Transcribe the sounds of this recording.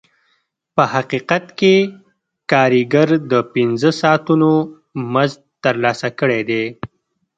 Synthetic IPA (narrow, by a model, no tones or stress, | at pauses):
pəhaqiqat̪ke | kɑɾiɡaɾd̪əpɪnzəsɑt̪uno | maz | t̪ːəɾlɑsakəɽed̪e